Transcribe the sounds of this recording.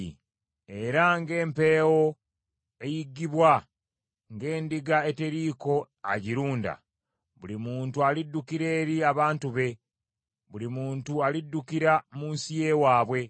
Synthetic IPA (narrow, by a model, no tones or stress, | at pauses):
e̞ɾaŋɡe̞ːmpe̞ːwo̞ | e̞jiɡːiβwa | ŋɡe̞ːndiɡae̞te̞ɾiːko̞ | a̰ɟiɾuːnda̰ | βulimuːntualidːukiɾe̞ːɾiaβaːntuβe̞ | βulimuːntualidːukiɾamunsije̞waːβwe̞